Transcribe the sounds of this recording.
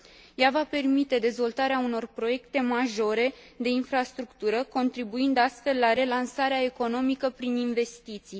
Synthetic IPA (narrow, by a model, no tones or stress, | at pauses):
javape̞rmit̪e̞d̪e̞zvo̞lt̪aɾeauno̞rpɾo̞je̞kt̪e̞maʒo̞ɾe̞ | d̪e̞infɾast̪ɾukt̪uɾəko̞nt̪ɾibuind̪ast̪fe̞lːaɾe̞lansaɾeae̞ko̞no̞mikəpɾininve̞st̪it̪sij